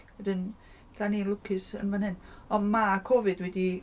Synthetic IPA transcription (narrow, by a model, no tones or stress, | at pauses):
wɛdɨn | d̥aninlˠʊkʰɪsə̰nvanɦɪnɔmakʰɔvɨdwɛdi